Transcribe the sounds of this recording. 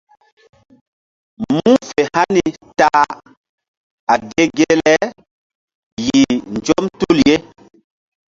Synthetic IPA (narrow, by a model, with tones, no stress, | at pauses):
mu˦fe˨ha˦ni˨ta˨ | a˨de˦ɡe˦lɛ˦ | ji˨nd͡ʒɔ˦mtu˦˨lje˦